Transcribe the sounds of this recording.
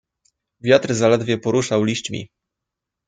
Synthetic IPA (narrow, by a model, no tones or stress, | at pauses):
vʲjat̪ɾzalɛd̪vʲjɛpɔɾuʂawlʲiɕt͡ɕmʲḭ